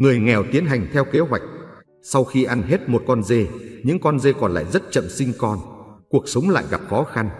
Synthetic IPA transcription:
ŋɨ˨˩əjŋɛ˨˩wt̪i˨˦ənɦa˨˩jŋ̟t̪ʰɛ˧wke˨˦ɦwa˨˩jk̟̚ | sa˧wxi˧ʔa˧nɦe˦˥t̚mo˨˩t̚kɔ˧nze˧ɲɨ̰˧˥ŋkɔ˧nze˧kɔ˨˩nla̰ː˧˨jzə˦˥t̚t͡ɕə̰˧˨msï˧ŋkɔ˧nku˨˩ək̚sə˨˦wŋ͡mla̰ː˧˨jɣa˨˩p̚xɔ˨˦xa˧n

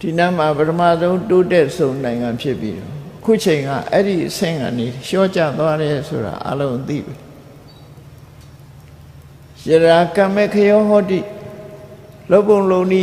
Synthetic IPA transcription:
d̥i˨nɛ˦˨m̥a˨pətʰəmä̰˦˨zõ˦ʊ̃nto˦tɛ˦ʔsʰõ˨ʊ̃nã˨ɪ̃ŋã˨mpʰjɪ˦pːjḭ˦ɾɔ̰˦˨ʔəkʰu˦ʔət͡ɕʰẽ˨ɪ̃ŋɡa̰˦˨ʔɛ˦ɾi˨ʔəsɪ̰̃˦˨ŋɡã̰˨ne˨ɕɔ̰˦˨t͡ɕa̰˦˨t̪wa˦ɾɛ˨sʰo̰˨ɾa̰˨ʔa̰˦lõ˦ʊ̃t̪ḭ˦˨bɛ˨ | jə˨ɾa˨kã˨mɛ˦˨kʰə˦jɔ˦ɦɔ˦tḭ˦˨ | lo˦ʊpːõ˨ʊ̃lõ˦˨ʊ̃ni˦˨

